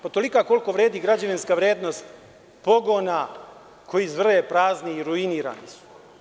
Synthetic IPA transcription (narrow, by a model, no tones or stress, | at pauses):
pat̪o̞likako̞lko̞ʋɾeːd̪iːɡɾad͡ʑaʋinskaʋɾjeːd̪no̞st̪ | po̞ɡona | kʰo̞jizʋr̩epɾaːzniːɾuiniːɾa̰ːnisu̥